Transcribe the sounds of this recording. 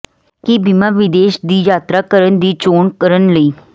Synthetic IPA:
kibimaːʋɪd̪eːʃd̪iːjaːt̪ɾaːkəɾənd̪iːt͡ʃoːɳkəɾənləiː

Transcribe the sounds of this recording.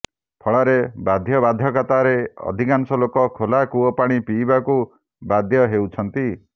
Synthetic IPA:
pʰɔɭaɾebad̪ʱjɔbad̪ʱjɔkat̪aɾeɔ̰d̪ʱikansɔlokɔkʰolakuɔpaɽ̃ipiːbaku | bad̪ʱjɔɦewt͡ʃʰɔnt̪i

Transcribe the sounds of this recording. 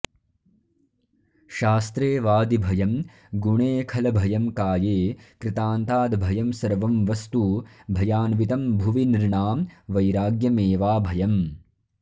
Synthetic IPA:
ʃaːst̪ɾeːʋaːd̪ibʱɐjɐm | ɡuɳeːkʰɐlɐbʱɐjɐmkaːjeːkɾɪt̪aːnt̪aːd̪bʱɐjɐmsɐɾʋɐmʋɐst̪ubʱɐjaːnʋit̪ɐmbʱuʋiniɾɳaːmʋɐjɾaːɡjɐmeːʋaːbʱɐjɐm

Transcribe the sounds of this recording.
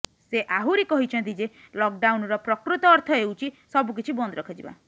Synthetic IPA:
seʔaɦuɾikɔɦit͡ʃʰɔnt̪ʰid͡ʒe | lɔk̚ɖawnɔɾɔpɾɔkɾut̪ɔːɾt̪ʰɔewt͡ʃʰisɔbuk̬it͡ʃʰibɔnd̪ɔɾɔkʰɔd͡ʒḭba̰

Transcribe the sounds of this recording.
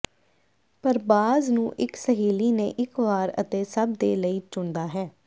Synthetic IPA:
pəɾbaːznũːʔɪksəɦiːliːnḛ̃ːʔɪkʋaːɾə̰t̪eːsəb̚d̪eːləiːt͡ʃʊnd̪aːɦɛː

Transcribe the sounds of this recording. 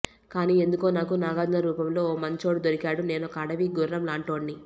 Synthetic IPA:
kaːniːe̞nd̪uko̞ːnaːkunaːɡaːd͡ʒ̪nɐɾuːpɐmlo̞ːoːmɐɲt͡ʃo̞ːɽud̪oɾikaːɽune̞ːnokɐːɽɐʋiɡuɾɾɐmlaːɳʈo̞ːɳːi

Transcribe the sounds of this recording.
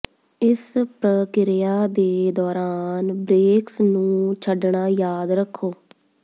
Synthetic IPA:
ɪspɾəkɪɾɪjaːd̪eːd̪ɔːɾaːnbɾeːksnũːt͡ʃʰəɖɳaːjaːd̪ɾəkʰːoː

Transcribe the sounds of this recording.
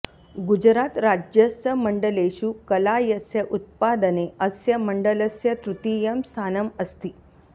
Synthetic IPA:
ɡud͡ʑɾat̪ɾad͡ʑjəsjəməɳɖəleɕuːkəlajəsjəʔut̪̚pad̪əneəsjəməɳɖələsjət̪ɾut̪ijəmst̪ʰanəməst̪iː

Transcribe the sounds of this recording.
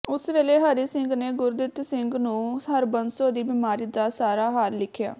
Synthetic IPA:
ʊsʋeːleːɦəɾiːsɪŋɡneːɡʊɾd̪ɪt̪sɪŋɡnũːɦəɾbənsoːd̪iːbɪːmaːɾiːd̪aːsaːɾaːɦaːɾlɪkʰːja̰ː

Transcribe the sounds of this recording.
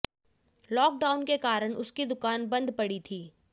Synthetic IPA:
lɔːk̚ɖaːʊnkekaːɾəɽ̃ʊskid̪ʊkaːnbɐ̃nd̪pɐɽit̪ʰiː

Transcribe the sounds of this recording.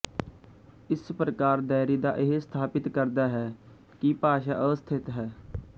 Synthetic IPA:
ɪspɾəkaːɾd̪ɛːɾiːd̪a̰ːʔɪɦest̪ʰaːpɪt̪kəɾd̪aːɦɛː | kipaːʃa̰ːʔəʋəst̪ʰɪt̪ɦɛː

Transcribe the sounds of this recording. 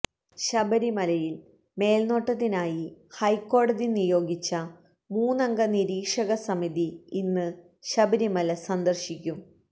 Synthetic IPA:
ɕɐbɐɾimɐlɐjil | me̞ːlno̞ːʈːɐt̪ːinaːjihɐjkːo̞ːɽɐðinijo̞ːɡit͡ɕːɐ | muːnːɐŋɡɐniɾiːkʂɐɣɐsɐmiðiinːɨ | ɕɐbɐɾimɐlɐsɐnd̪ɐrɕikʲːum

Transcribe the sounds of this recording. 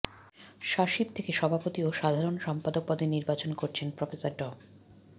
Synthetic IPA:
ʃaʃibt̪ʰekeʃɔbʱapot̪ioʃad̪ʱaɾonʃɔmpad̪ok̚pɔd̪iniɾbat͡ɕonkoɾt͡ɕʰenpɾofesaɾɖɔ

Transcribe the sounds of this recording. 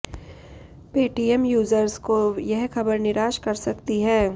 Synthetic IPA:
peːʈiɛmjuːzəɾskojɛɦxɐbəɾnɪɾaːʃkɐɾsɐkt̪iɦɛː

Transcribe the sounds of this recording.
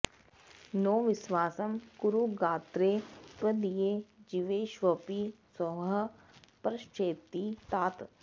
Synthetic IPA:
noːʋɪsʋaːsəmkʊɾuɡaːt̪ɾep̪əd̪ijeːd͡ʒiʋeːʃʋəpisɔɦə | pɾɐʃt͡ʃeːt̪it̪aːt̪

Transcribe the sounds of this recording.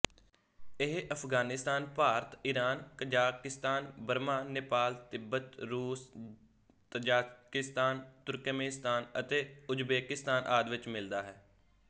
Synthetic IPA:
ɪɦʔəpʰɡaːnɪst̪aːnpaːɾət̪ɪɾaːnkəd͡ʒaːkɪst̪aːnbəɾmaːneːpaːlt̪ɪbət̪ɾuːs | t̪əd͡ʒaːkɪst̪aːnt̪ʊɾkəmẽːst̪aːnət̪eːʊd͡ʒbeːkɪst̪aːnʔaːd̪ʋɪt͡ʃmɪld̪aːɦɛː

